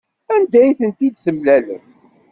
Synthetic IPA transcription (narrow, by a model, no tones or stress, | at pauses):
ænd̪æjθənt̪id̪θəmlælə̰ɾ